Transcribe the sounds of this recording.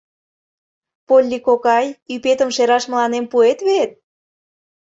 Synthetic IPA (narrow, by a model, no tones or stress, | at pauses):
polʲːikokɑjypet̪ə̆mʃeɾɑʃmə̆lɑnempuet̪βet̪̚